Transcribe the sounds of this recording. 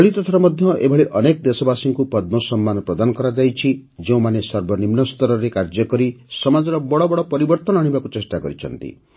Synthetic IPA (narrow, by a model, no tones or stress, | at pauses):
ɔɭit̪ɔt̪ʰɔɾɔmɔd̪ʱjɔʔebʱɔɭeʔɔnekɔd̪esɔbasiŋkupɔd̪̚mɔsɔmːanɔpɾɔd̪anɔkɔɾad͡ʒajt͡ʃʰid͡ʒeũmanesɔɾbʱɔnimnɔst̪ʰɔɾɔɾekaɾd͡ʒɔkɔɾisɔmad͡ʒɔɾɔbɔɽɔbɔɽɔpɔɾibɔɾt̪ɔnɔaɽ̃ibakut͡ʃesʈakɔɾit͡ʃʰɔ̰nt̪ḭ